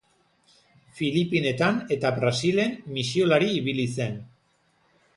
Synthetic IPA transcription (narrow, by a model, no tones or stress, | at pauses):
filipine̞t̪ane̞t̪aβɾasile̞nmisio̞laɾiːβilise̞n